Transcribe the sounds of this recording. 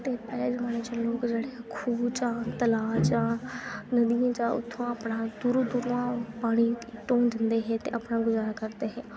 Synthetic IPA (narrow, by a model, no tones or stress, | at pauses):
t̪eːpɛːleːd͡ʒəmaːneːt͡ʃəlːõːkd͡ʒeːɽeːkʰuːt͡ʃãːt̪əlaːt͡ʃãːnəd̪ijãːt͡ʃãːʊ̰t̪ʰːõːapnãːd̪uɾud̪uɾuːãːpaːɽ̃iːʈõːnd͡ʒənd̪eːɦɛːt̪ḛːʔapnãːɡʊzaːɾaːkəɾd̪eːɦɛː